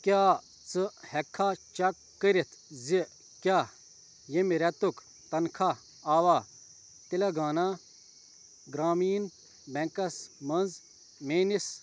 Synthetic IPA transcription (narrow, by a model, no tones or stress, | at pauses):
kʲjaː | t͡sɨhɛkʰːat͡ʃɐkːəɾit̪ʰzi | kʲa | jemiɾɛt̪uk | t̪ɐnkʰa | aːʋa | t̪ilɐɡaːna | ɡɾaːmiːn | bɛŋkɐsmɐnz | meːnis